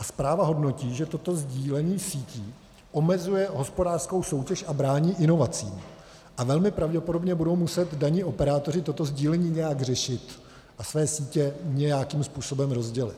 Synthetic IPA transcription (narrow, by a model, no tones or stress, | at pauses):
ʔaspɾaːvaɦo̞dno̞ciːʒɛt̪o̞t̪o̞zɟiːlɛɲiːsiːciː | ʔo̞mɛzujɛɦo̞spo̞daːr̥sko̞wso̞wcɛʃʔabɾaːɲiːʔɪno̞vat͡siːm | ʔavɛlmɪpɾavɟɛpodo̞bɲɛbudo̞wmusɛt̪daɲiːʔo̞pɛɾaːt̪o̞r̝ɪt̪ot̪o̞zɟiːlɛɲiːɲɛjaɡr̝ɛʃɪt̪ | ʔasvɛːsiːcɛɲɛjakimspuːso̞bɛmɾo̞zɟɛlɪ̰t̪